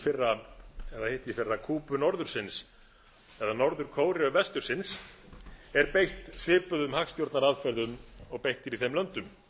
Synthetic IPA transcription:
fɪrːaɛðahejht̪ifɪrːakʰuːpʏnɔɾðʏɾ̥sɪns | ɛðanɔɾðʏɾ̥kʰoːwɾɪʏvɛst̪ʏɾ̥sɪns | ɛɾpejht̪svɪːpʏðʏmhakst̪jowɾt̪naɾaðfɛɾðʏmɔɣpejht̪ɪɾiθejmlœnt̪ʏm

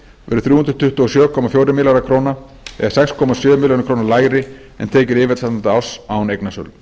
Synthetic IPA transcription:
vɛ̰ɾʏθɾuːhʏnt̪ɾʏ̥t̪ʰʏht̪ʏɔsjœːkʰɔmafjowɾɪmɪlaɾakʰɾowna | ɛ̰ɣasɛkskʰɔːmasjœːmɪljɔnɪkʰɾoːwnaɾlaːjɾɪ | ɛ̰nt̪ʰeːjcɪɾɪːvɪt̪sat̪nant̪aawsawnejknasœ̰l

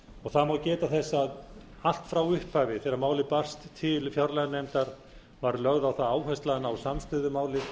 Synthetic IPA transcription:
ɔɣθaðmawcɛːt̪aθɛsːaðal̥t̪fɾawʏhpajvɪθɛɾamaːwlɪpar̥st̪ʰːɪlfjɔɾlajðnejmt̪aɾ̥ | vaɾlœɣðawθaðaːwɦajst̪laɪnawsamst̪ʏːðʏmaːwlɪ

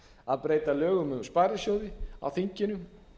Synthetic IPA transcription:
aðpɾeːjt̪alœːɣʏmɛðspaːjɾɪsjoːwðɪa̰wθiɲcɪnʏm

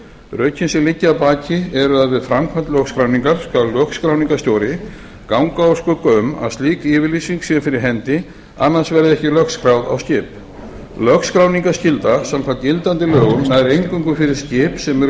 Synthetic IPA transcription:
ɾœːɥcʰɪnsɪlɪcːapaːcɪɛɾʏaðvɪðfɾamkʰvɛnt̪lœkskɾawniŋkaɾ̥skvalœkskɾawniŋkast̪jowɾɪ | kawŋkaɔɾskœkʏma̰ðst̪liːkɪvɪɾlisiŋksjɛfɪɾɪɾɦɛnt̪ɪ | a̰nːansvɛɾðɪɛhcɪlœkskɾawða̰wscɪːp | lœkskɾawniŋkḁscɪlt̪asamkʰv̥ant̪jɪlt̪ant̪ɪlœːɣʏmnaðɾejɲkʏŋkʏfɪɾɪɾ̥scɪːpsɛmɛɾ

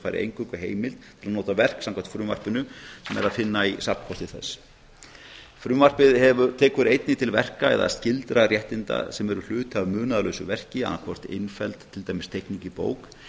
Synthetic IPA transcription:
fajɾɪ̰ʔḛjŋkʏkʏɦeːjmɪlt̪t̪ʰɪlanoːwt̪avɛr̥ksãmŋkʰvant̪fɾʏːmva̰r̥pʏnʏsɛmɛ̰ɾaðfɪnːaisapn̥kʰɔst̪ɪθɛsː | fɾʏːmvar̥pɪðhɛvʏt̪ʰɛːkʏɾejt̪nɪt̪ʰɪlvɛr̥kaɛ̰ða̰scɪlt̪ɾarjɛht̪ɪnt̪a̰sɛmɛɾʏl̥ʏːt̪avmʏːnaðalœɥsʏvɛr̥cɪa̰nːakʰɔr̥t̪ɪ̰nfɛlt̪ʰːɪlt̪aːjmɪst̪ʰejhkniɲcɪpo̰ːwk

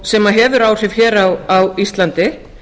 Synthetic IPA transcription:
sɛmaðɦɛːvʏɾaːwr̥ɪvçɛːɾawawist̪lant̪ɪ

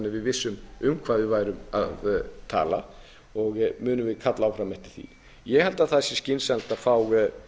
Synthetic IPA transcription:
nɪvɪðvɪsːʏmʏmkʰv̥aːðɪvaːjɾʏma̰ðt̪ʰa̰ːla̰ | ɔɣmʏːnʏvɪðkʰat̪laawfɾamɛht̪ɪ̥θḭ | jɛɣhɛlt̪aðθasjɛscɪnsɛlt̪aðfaːwɣ

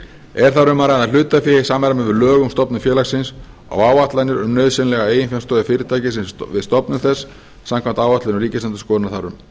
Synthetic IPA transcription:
ɛɾ̥θaɾʏmaɾaðal̥ʏːt̪afɪːɪsaːmːaɾamɛvɪɾlœːɣʏmst̪ɔpnʏfjɛːlaxsɪns | a̰waːwat̪lajnɪɾʏmnœːɥðsɪnlɛɣaeːjɪnfjamst̪ɔːðɪfɪːɾɪt̪ʰaːjcɪsɪnvɪst̪ɔpnʏmθɛsː | amkʰvam̥t̪aːwvat̪lanʏriːcɪsant̪̬ʏskɔːnaθaɾʏm

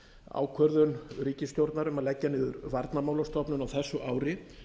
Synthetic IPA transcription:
a̰ːwkʰvœɾðʏnɾiːcɪst̪jowɾt̪naɾʏmaðlɛcːanɪːðʏɾvaɾt̪namaːwlast̪ɔpnʏnawθɛsːʏʔaːwɾɪ

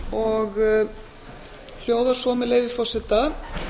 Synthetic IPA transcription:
ɔɣ | l̥joːwðaɾ̥sɔːmɪleːjvɪfɔrsɪt̪a

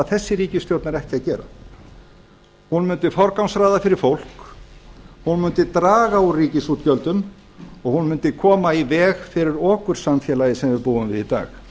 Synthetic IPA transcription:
ðθɛsːɪɾiːcɪst̪jowt̪naɾɛhc̪ɪaðcɛːɾa̰ | hunmʏnt̪ɪfɔɾkawmsɾajðafɪɾɪɾ̥fowl̥k | hunmʏnt̪ɪt̪ɾaːɣauriːcɪsut̪cœlt̪ʏn | ɔɣhunmʏnt̪ɪkʰɔːmaivɛːɣfɪɾɪɾɔːkʏɾ̥sanfjɛlaːjɪsɛmvɪɾpuːʏmvɪðit̪a̰ːx

